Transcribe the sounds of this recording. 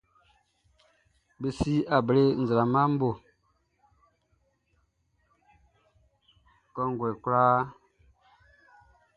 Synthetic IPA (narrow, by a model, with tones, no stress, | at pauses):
be˨si˦a˨bə˨le˦˨n̩˨za˨la˨ma˦m̩˦bo˨ | kɔ˦ŋɡwe˨le˨kla˦